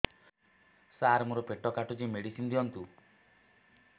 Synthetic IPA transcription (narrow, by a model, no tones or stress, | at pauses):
saɾmuɾɔpeʈɔkaʈud͡ʒimeɽisind̪iɔnt̪u